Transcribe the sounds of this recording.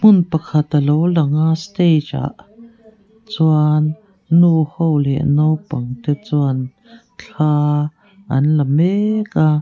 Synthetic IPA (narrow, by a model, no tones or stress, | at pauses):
munpakʰat̪alowlaŋast̪ejt͡ʃa̰ʔ | t͡swanː | uhowleʔnowpaŋt̪et͡swan | t͡ɬa | anlameka